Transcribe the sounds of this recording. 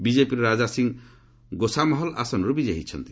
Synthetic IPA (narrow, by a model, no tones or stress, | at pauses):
bid͡ʒepiɾɾad͡ʒasiŋ | ɡosamɔɦɔla̰sɔnɔɾubid͡ʒeɦit͡ʃʰɔ̰nt̪i̥